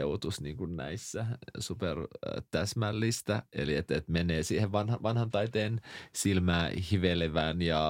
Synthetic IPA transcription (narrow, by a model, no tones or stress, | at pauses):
eut̪usniːŋkunnæ̰isːæsupert̪æsmælːist̪æḛliet̪et̪meneːsiːheʋʋɑnhɑʋɑnhɑnt̪ɑit̪eːnsilmæːhiʋeleʋæːnjɑ